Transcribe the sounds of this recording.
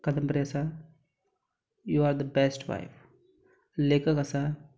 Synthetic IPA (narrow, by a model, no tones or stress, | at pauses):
kɐd̪əmpɾijɐsa | juːaːɾd̪əbɛsʈʋa̰ɪf | leːkəkɐsa